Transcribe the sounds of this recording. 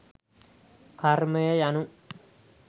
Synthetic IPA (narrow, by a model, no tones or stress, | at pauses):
kɐɾmɐjɐjɐnũ